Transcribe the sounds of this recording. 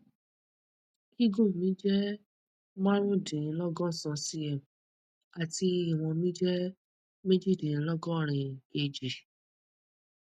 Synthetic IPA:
ki˦ɡõ˦˨mĩ˨˦d͡ʒɛ˦ | mã˦ɾ̃ũ˦˨dĩ˨˦lɔ˦ɡɔ˦˨sã˧si˦ɛ˨m | a˨ti˧i˦˨w̃ɔ̃˧mĩ˦d͡ʒɛ˦ | me˦d͡ʒi˦˨dĩ˨˦lɔ˦ɡɔ˦˨ɾ̃ĩ˨e˧˨d͡ʒi˨

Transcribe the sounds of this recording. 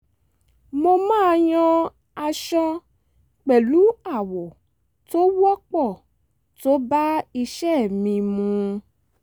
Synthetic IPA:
mo˧mãː˦˧j̃ɔ̃˧ | a˧ʃɔ̃˧ | k͡pɛ˨lu˨˦a˦˨wo˨ | to˦wɔ˦k͡pɔ˦˨ | to˦ba˦i˧ʃɛ˦˨mĩ˧mũ˧˦

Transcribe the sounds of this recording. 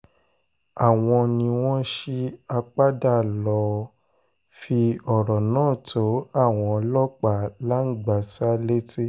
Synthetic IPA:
a˨w̃ɔ̃˧nĩ˧w̃ɔ̃˦ʃi˦a˧k͡pa˦da˦˨lɔ˧ | fi˧ɔ˨ɾɔ˨nãː˦˨tʰo˨˦a˦˨w̃ɔ̃˧lɔ˦k͡pa˦˨la˦n̩˦ɡ͡ba˨ta˦le˦te˦

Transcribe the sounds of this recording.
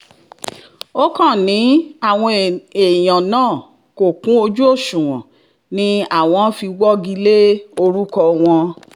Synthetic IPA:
o˦kã˦˨nĩ˨˦a˦˨w̃ɔ̃˧e˨j̃ã˨nãː˦˨ | ko˨kũ˨˦o˧d͡ʒu˦o˦˨ʃũ˨wɔ̰̃˨ | nĩ˧a˦˨w̃ɔ̃˧˦fi˧wɔ˦ɡi˧le˦o˧ɾu˦kɔ˧w̃ɔ̃˧

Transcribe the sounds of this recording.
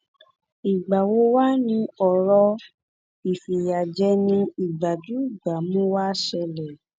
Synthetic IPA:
i˨ɡ͡ba˨wo˧˦wa˦nĩ˧ɔ˨ɾɔ˧ | i˨fi˨ja˨d͡ʒɛ˧nĩ˧i˨ɡ͡ba˨d͡ʒu˨˦i˦˨ɡ͡ba˨mũ˦wa˦ʃɛ˧lɛ˨

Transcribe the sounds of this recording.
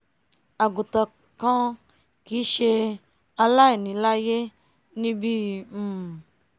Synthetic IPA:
a˨ɡu˨tɔ˧ | kã˦ | ki˨˦ʃe˧ | a˧la˦i˨nĩ˨la˦je˦ | nĩ˦bi˦˨

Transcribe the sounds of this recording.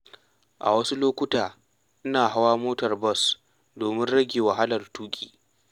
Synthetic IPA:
ʔa̰˨wɐ˦su˦loː˦kʷʊ˦taː˨ | ʔɪ˦naː˨ɦa˦waː˦moː˦tɐ˨rbɔ˦s | doː˨mɪ˦nɽɐ˦ɡʲeː˨wa˨ɦa˦lɐ˨rtuː˦kʲʼḭː˨

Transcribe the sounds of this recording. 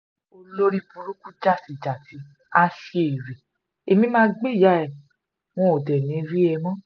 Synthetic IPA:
o˧lo˦ɾi˦pũ˧ɾu˦ku˦d͡ʒa˦˨si˨d͡ʒa˨ti˨˦ | a˦ʃe˧˦e˨ɾi˨ | e˧mĩ˦mãː˦ɡ͡be˦i˨ja˨˦ɛ˨ | w̃ɔ̃˦o˨dɛ˨nĩ˨˦ɾi˦ɛ˧mɔ̃˦

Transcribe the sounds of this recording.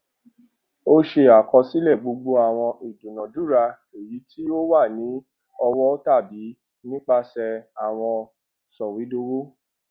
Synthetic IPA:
o˦ʃe˧a˨kɔ˧si˦lɛ˦˨ɡ͡bo˧ɡ͡bo˧˦a˦˨w̃ɔ̃˧ʔi˨dũ˨nã˨du˨˦ɾa˧ | e˨ji˨˦tʰi˦o˦wa˦˨nĩ˨˦ | ɔ˧wɔ˦ta˦˨bi˨˦ | nĩ˦k͡pa˧sɛ˧a˨w̃ɔ̃˧ | sɔ˨wi˨˦do˧wo˦

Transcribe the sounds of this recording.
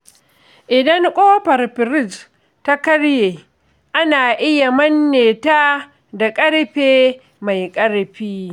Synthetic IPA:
ʔɪ˨dɐ˦ŋkʷʼoː˦ɸɐ˨rɸɪ˨ɾɪ˦s | ta˦kɐ˦ɽjeː˨ | ʔa˦naː˨ʔɪ˦ja˨mɐ˦nːeː˨taː˦ | da˨kʼɐ˦ɽɸeː˦ | ma˨jkʼɐ˦ɽɸiː˦

